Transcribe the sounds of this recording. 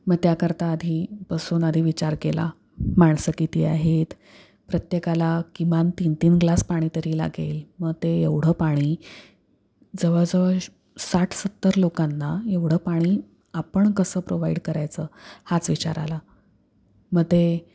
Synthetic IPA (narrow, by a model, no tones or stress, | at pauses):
məɡt̪jakəɾt̪aːd̪ʱiːbəsuːnad̪ʱiːʋit͡ɕaɾkela̰ | maɳ̃səːkiːt̪iːaɦet̪ | pɾət̪jekalakimant̪int̪iːnɡlaspaɽ̃it̪əɾiːla̰ɡelməɡ̚t̪eeʋɽ̤əpaɽ̃iː | d͡zəʋəd͡zəʋə | saʈʰsət̪ːəɾlokanːaeʋɽ̤əːpaɽ̃iː | apəɳkəsəːpɾoʋaiɽkəɾajt͡səːhat͡sʋit͡ɕa̰ɾa̰la | məɡ̚t̪e